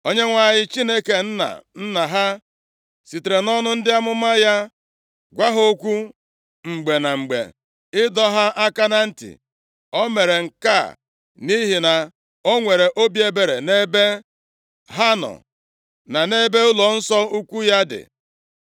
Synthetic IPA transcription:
o˦ɲe˦ŋʷa˨ɲɪ˦t͡ʃi˦ne˦ke˨n̩˦na̰˨n̩˦na˨ɦa˦ | si˨te˨ɾe˨nɔ˦nʊ˦n̩˦dɪ˦a˦mʊ˦ma˦ja˦ | ɡʷa˦ɦo˦kʷu˦ | ŋ͡m̩˨ɡ͡be˨na˨ŋ͡m̩˨ɡ͡bḛ˨ | ɪ˦dɔ˦ɦa˦ʔa˦ka˦na˦n̩˦tḭ˨ | ɔ˦me˨ɾe˨ŋ̩˨ka̰˦˨ | ni˦ɦi˨na˨ | o˦ŋʷe˨ɾe˨ʔo˦bje˦be˨ɾe˨ne˦be˦ | ɦa˦nɔ̰˨ | na˨ne˦be˦ʊ˦lɔ˨n̩˦sɔ˦u˦kʷu˦ja˦dɪ̰˨

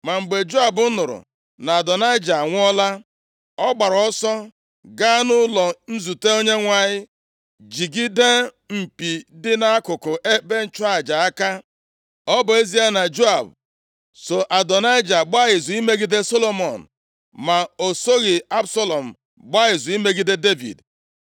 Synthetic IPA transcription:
ma˨ŋ͡m̩˨ɡ͡be˨d͡ʒo˦a˨bʊ˦nʊ˨ɾʊ̰˨ | na˨a˨dɔ˨na˦ɪ˦d͡ʒa˨ŋʷʊ˦ɔ˦la˦ | ɔ˦ɡ͡ba˨ɾɔ˦sɔ˦ | ɡa˦nʊ˦lɔ˨n̩˦zu˨te˦o˦ɲe˦ŋʷa˨ɲɪ˦ | d͡ʒi˨ɡi˦de˦ | m̩˨pi˨dɪ˦na˦kʊ˨kʊ˨ʔe˦be˦n̩˦t͡ʃʊ˦a˦˨d͡ʒa˨a˦ka˦ | ɔ˦bʊ˨e˦zi˦a˦na˨d͡ʒo˦a˨b | so˨ʔa˨dɔ˨na˦ɪ˦d͡ʒa˨ɡ͡ba˦ɣɪ˨zu˨i˦me˦ɡi˦de˦so˦lo˦mɔ˨n̩˨ | ma˨o˨so˦ɣɪ˨a˦bsa˦lɔ˨m̩˨ | ɡ͡ba˦ɣɪ˨zu˨i˦me˦ɡi˦de˦de˦vḭ˨d

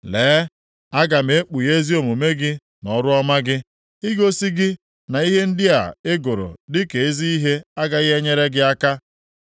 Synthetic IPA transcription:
leː˨˦ | a˦ɡa˨m̩e˨˦k͡pu˨je˦zi˦o˨mu˨me˦ɡɪ˦ | nɔ˦ɾʊ˦ɔ˦ma˦ɡɪ˦ | ɪ˦ɡo˦si˦ɡɪ˦ | na˨i˦ɦe˦n̩˦dɪ˦a̰˨e˦ɡʊ˨ɾʊ̰˨dɪ˦ke˨e˦zi˦i˦ɦe˦a˦ɡa˦ɣe˦ɲe˦ɾe˦ɡɪ˦a˦ka˦

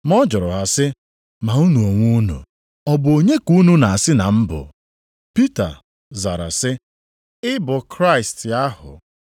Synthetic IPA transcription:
m˦ɔ˦d͡ʒɔ˨ɾʊ˨ɦa˨sɪ˦ | ma˨u˦nu˨o˨ŋʷu˦nṵ˨ | ɔ˦bʊ˨o˨ɲe˦ku˦nu˦na˨a˨sɪ˦na˨m̩˦bʊ̰˨ | pi˦ta̰˨ | za˨ɾa̰˨sɪ˦ | ɪ˦bʊ˨kɾa˦ɪ˨stja˦hʊ̰˨

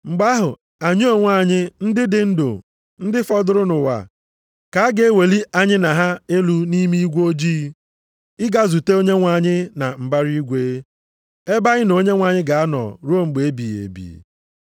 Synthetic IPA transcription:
ŋ͡m̩˨ɡ͡ba˦ɦʊ˨ | a˨ɲ˦o˨ŋʷa˦˨ɲɪ˦n̩˦dɪ˦dɪ˨n̩˦do̰˨ | n̩˦dɪ˦fɔ˦dʊ˨ɾʊ˦nʊ˨wa̰˨ | ka˨a˦ɡe˨˦we˨li˦ʔa˨ɲɪ˦na˨ɦa˦e˦lu˦ni˦mi˦i˦ɡʷo˦d͡ʒi˦ | ɪ˦ɡa˦zu˨te˦o˦ɲe˦ŋʷa˨ɲɪ˦na˨ŋ͡m̩˨ba˦ɾi˦ɡʷe˦ | e˦ba˦ɣɪ˦no˦ɲe˦ŋʷa˨ɲɪ˦ɡa˨a˦nɔ̰˨ɾu˦o˦ŋ͡m̩˨ɡ͡be˨e˦bi˨ḛ˨bḭ˨

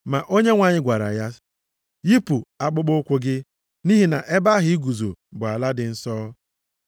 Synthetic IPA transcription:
ma˨ʔo˦ɲe˦ŋʷa˨ɲɪ˦ɡʷa˨ɾa̰˨ja˦ | ji˦pu˨a˨k͡pʊ˦k͡pʊ˦kʷʊ˦ɡɪ˦ | ni˦ɦi˨na˨ʔe˦ba˦ɦɪ˦i˦ɡu˨zo̰˨bʊ˨a˨la˦dɪ˨n̩˦sɔː˦

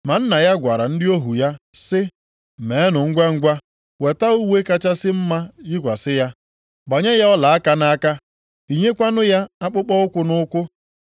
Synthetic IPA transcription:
ma˨n̩˦na˨ja˦ɡʷa˨ɾa˨n̩˦dɪ˦o˦ɦu˨ja˦sɪ˦˨ | me˨e˦nʊ˨ŋ̩˦ɡʷe˦ŋ̩˦ɡʷa˦ | we˨ta˦u˦we˦ka˦t͡ʃa˦sɪ˦m̩˦ma˦ji˦kʷa˨sɪ˦ja˦ | bɔ˨ɲe˦ja˦ɔ˦la˨a˦ka˦na˦ka˦ | i˨ɲe˦kʷa˦nʊ˦ja˦a˦k͡pʊ˦k͡pɔ˦ʊ˦kʷʊ˦nʊ˦kʷʊ˦

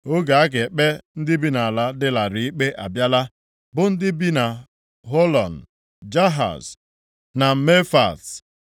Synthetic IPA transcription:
ʊ˦ɡa˨a˦ɡe˨k͡pe˦n̩˦dɪ˦bi˦na˨a˨la˦dɪ˦la˨ɾi˨i˦k͡pe˦ʔa˨bja˦la˦ | bʊ˨n̩˦dɪ˦bi˦na˨ | ɦo˦lɔ˨n̩˨ | d͡ʒa˦ɦa̰˨s | na˨m̩˦me˦fa̰˨s

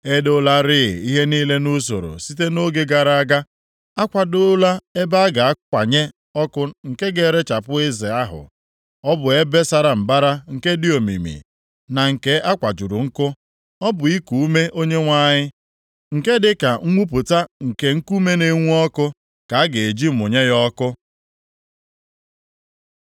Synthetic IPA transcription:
e˦dʊ˦la˦ɾɪ̰˦˨i˦ɦe˦niː˦le˦nu˦s̬o̰˨ɾo̰˨si˦te˦no˦ɡe˦ɡa˨ɾa˦a˦ɡa˦ | a˦kʷa˨dʊ˦la˦e˦ba˦ɡa˨a˦kʷa˨ɲe˦ | ɔ˦kʊ˦ŋ̩˨ke˦ɡe˨ɾe˦t͡ʃa˨pʊ˦ɪ˦zɪ˨a˦ɦʊ̰˨ | ɔ˦bʊ˨e˦be˦sa˦ɾa˨m̩˨ba˦ɾa˦ŋ̩˨ke˦dɪ˦o˨mḭ˨mḭ˨ | na˨ŋ̩˨ke˦ʔa˦kʷa˨d͡ʒu˨ɾʊ˨ŋ̩˦kʊ˦ | ɔ˦bʊ˨i˦ku˨u˦me˦ʔo˦ɲe˦ŋʷa˦ɲɪ˦ | ŋ̩˨ke˦dɪ˨ka˨ŋ̩˦ŋʷu˦p̬ʊ˨ta˦ŋ̩˨ke˨ŋ̩˦ku˦me˦ne˦ŋʷu˦ɔ˦kʊ˦ | ka˨a˦ɡe˨e˨d͡ʒi˦˨mʊ˨ɲe˦jɔ˦kʊ˦

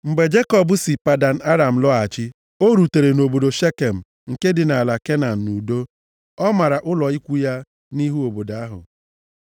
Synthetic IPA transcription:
m̩˨ɡ͡be˨d͡ʒe˦kɔ˨bʊ˨˦si˨pa˨da˨n̩˨a˦ɾa˨m̩˨lɔ˦a˨t͡ʃɪ˦ | o˦ɾu˨te˨ɾe˨no˨bo˨do˨ʃe˦ke˨m̩˨ | ŋ̩˨ke˦dɪ˨na˨la˨ke˦na˨n̩˨nu˨do˦ | ɔ˦ma˨ɾa˨ʔʊ˦lɔ˨i˦kʷu˦ja˦ | ni˦ɦu˦o˨bo˨da˦ɦʊ̰˨

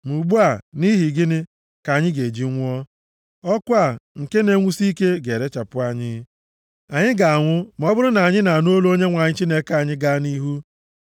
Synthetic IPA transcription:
mu˨ɡ͡bu˦a˨ni˦ɦi˨ɡɪ˦nɪ˦ | ka˨ɲɪ˦ɡe˨d͡ʒi˦ŋʷʊ˦ɔ˦ | ɔ˦kʷʊ˦a˨ŋ̩˨ke˦ne˦ŋʷu˦si˦ke˦ɡe˨ɾe˦t͡ʃa˨pʊ˦a˨ɲɪ˦ | a˨ɲɪ˦ɡa˨a˨ŋʷʊ˦m˨ɔ˦bʊ˦ɾʊ˦na˨ɲɪ˦na˨n˦o˦lo˦ɲe˦ŋʷa˨ɲɪ˦t͡ʃi˦ne˦ka˨ɲɪ˦ɡa˦ni˦ɦu˦

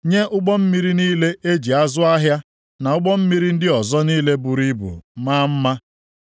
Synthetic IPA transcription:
ɲe˦ʔʊ˦ɡ͡bɔ˦m̩˦mi˦ɾi˦niː˦le˦ʔe˦d͡ʒi˨a˦zʊ˦a˦ɦja˦ | na˨ʊ˦ɡ͡bɔ˦m̩˦mi˦ɾi˦n̩˦dɪ˦ɔ˨zɔ˦niː˦le˦bu˨ɾi˦bṵ˨maː˦m̩˦ma˦

